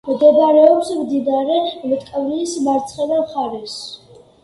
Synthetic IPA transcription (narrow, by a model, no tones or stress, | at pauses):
mɡ̪ɛbɾɛɔpsmd̪inaɾɛmɛt̪ʼkʼɛvɾiːsmaɾt̪sʰχɛd̪amχaɾɛs